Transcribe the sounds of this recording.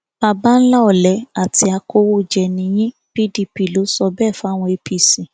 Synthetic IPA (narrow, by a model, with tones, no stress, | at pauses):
b̥a˧ba˦n̩˦la˦ɔ˨lɛ˨˦a˦˨ti˧˦a˧ko˧˦wo˦˨d͡ʒɛ˨nĩ˧˦j̃ĩ˦ | pi˦di˧pi˦˨lo˨˦sɔ˧bɛ˦˨fa˦˨w̃ɔ̃˧e˧pi˧si˨